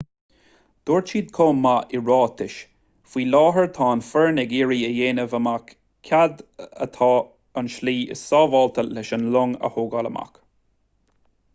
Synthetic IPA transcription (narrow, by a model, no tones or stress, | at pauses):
d̪̥oːɹt͡ʃiːd̪̚kʰoːmːaʔɪɹɑːt̪ʰɪʃ | fwiːlɑːɦəɹt̪ʰɑːnfəɹnɛɡiːɹiːəjeːnəvəmakʰ | ad̪ə̰t̪ʰɑː | ənʃliːɪ̰ssɑːvɑːlt̪ʰəlɛʃənlʊŋə̰hoːɡaləma̰k